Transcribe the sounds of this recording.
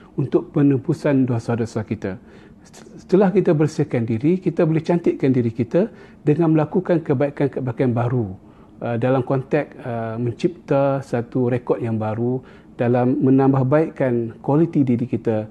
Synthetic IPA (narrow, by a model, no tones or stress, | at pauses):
unt̪ʊk̚pənəpusandosadosakit̪a | sə̥t̪əlahkit̪abərsiəkandiɾikit̪abolɛht͡ʃant̪ɪʔ̪̚kandiɾikit̪a | dəŋanməlakukankəbaikankəbakanbaɾu | ədalamkɔnt̪ɛk̚əmə̃ɲt͡ʃip̚t̪asat̪uɾekɔt̪̚jaŋbaɾu | d̥alamːənãmbahbaiʔkankwalit̪idiɾikit̪a